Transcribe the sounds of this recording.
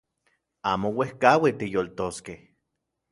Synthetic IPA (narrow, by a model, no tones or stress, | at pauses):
aːmowehkawit̪ijolt̪oskeh